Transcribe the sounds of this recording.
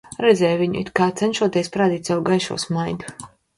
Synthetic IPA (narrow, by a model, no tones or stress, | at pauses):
ɾɛd̪zʲɛːjviɲṵḭt̪̚kaːt̪sɛnʃuɔt̪iɛspɾaːd̪iːt̪sɛwɡajʃṵːsmajd̪u